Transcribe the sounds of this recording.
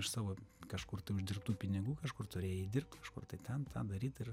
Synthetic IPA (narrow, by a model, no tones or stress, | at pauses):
ɪʃsɑːʋoːkɐʃkʊrt̪ɐɪʊʒʲd̪ʲɪrp̚t̪uːpʲɪnʲɪɡuːkɐʃkʊrt̪ʊɾʲeːjoiːd̪ʲɪrp̚t̪kɐʃkʊ̰rt̪ɐɪt̪ʲɛnt̪ɑ̰ːd̪ɐɾʲiːt̪ɪr